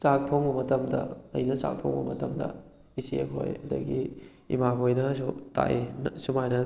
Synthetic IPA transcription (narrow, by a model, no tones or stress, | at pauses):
t͡ʃak̚pʰoŋbɐmɐtɐmdɐ̰ɐ̰jnɐsa̰k̚pʰo̰ŋbɐ̰mɐtɐmdɐ̰ | isiekʰo̰jɐdɐɡi | ḭmakʰojnɐsuta̰ʔensumajnɐ